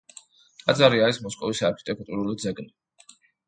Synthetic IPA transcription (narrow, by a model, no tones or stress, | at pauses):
t̪ʼad̪zaɾiaɾismɔskʼɔvisaɾkʰit̪ʼɛkʼt̪ʼuɾulid̪zɛɡni